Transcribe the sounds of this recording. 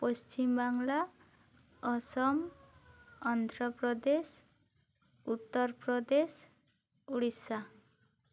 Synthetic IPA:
pɔst͡ʃimbaŋla | ɔsɔm | ɔnd̪ʱɾɔpɾɔd̪es | ut̪ːɔɾpɾɔd̪es | uɽisa

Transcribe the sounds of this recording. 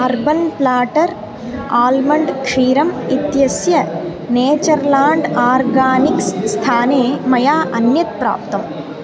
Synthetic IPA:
ɐɾbɐnplaːʈɐɾ | aːlmɐɳɖkʂiːɾɐmit̪jɐsjɐ | neːt͡ʃɐɾlaːɳɖaːɾɡaːniksst̪ʰaːneːmɐjaːʔɐnjɐt̪̚pɾa̰ːp̚t̪ɐm

